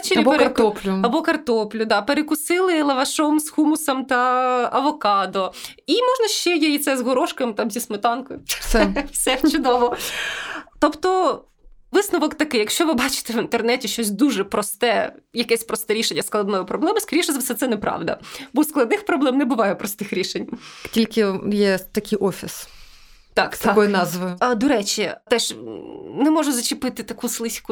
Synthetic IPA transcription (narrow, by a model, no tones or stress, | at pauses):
t͡ʃɪɾʲibpeɾɐtɔplʲʊɐbɔkɐrt̪ɔplʲʊd̪ɑpeɾekʊsɪlˠɪlˠɐʋɐʃɔmzxumʊsɐmt̪ɐɐʋɔkɑd̪ɔ | imɔʒnɐʃt͡ʃɛjɛjit̪sɛzɦɔɾɔʃkɐmt̪ɑmzʲismɪt̪ɑnkɔjʊsɛwsɛt͡ʃʊd̪ɔʋɔ | t̪ɔpt̪ɔ | ʋɪsnʊʋɔkt̪ɐkɪjɐkʃt͡ʃɔʋɪbɑt͡ʃɪ̥t̪ɛʋint̪ernɛtʲiʃt͡ʃɔsʲd̪uʒɛpɾɔst̪ɛjɐkɛsʲpɾɔst̪ɛɾʲiʃenʲːɐsklˠɐd̪nɔjʊpɾʔɔblˠɛmɪskɐɾʲiʃɐzʋsɛt̪sɛnɛpɾɑ̰ʋd̪ɐ̰bɔsklˠɐd̪nɪxpɾɔblˠɛmnɛbʊʋɑjɛpɾɔst̪ɪxɾʲiʃenʲtʲilʲkɪjɛt̪ɐkʲɪjʔɔfʲis | t̪ɑkt̪ɐkɔjɪnɑzʋʊʊɐd̪ɔɾɛt͡ʃʲit̪ɛʃnɛmɔʒʊzɐt͡ʃɪpɪt̪ɪt̪ɐkuslˠɪsʲkʊ